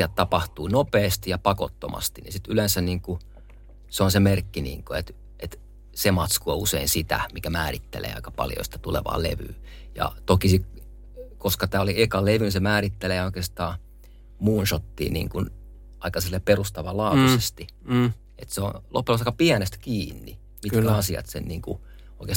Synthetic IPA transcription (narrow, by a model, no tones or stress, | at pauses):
ɑt̪t̪ɑpɑht̪uːnopeːst̪ijɑpɑko̰t̪ːo̰mɑ̰st̪inḭsit̪ylensæniːŋku | seonsemerkːinḭːŋkoet̪ | ʔet̪ | semɑt̪skuɑuseinsit̪æ̰mikæmæːrit̪ːḛlḛːɑ̰ikɑpɑ̰ljo̰isi̥t̪æt̪ulḛʋɑ̰ːlḛʋy̰ː | jɑ̰t̪okisik | koskɑt̪æːoliekɑleʋynisemæːrit̪ːeleːoikeːst̪ɑː | muːnʃot̪ːḭːnḭːŋkun | ɑikɑsilːepperust̪ɑʋɑlɑut̪usest̪i | et̪seo̰nlo̰pːelɑsɑikɑpiænest̪æ̥kiːnːi | mikæɑsiɑ̰t̪sḛnniːŋkṵ | oikes